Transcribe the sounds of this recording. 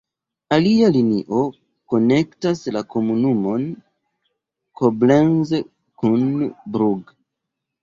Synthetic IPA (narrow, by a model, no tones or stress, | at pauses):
alialiniʔo̞ | ko̞ne̞ktaslako̞munumo̞n | kʰoblenz | kunbɾuɡ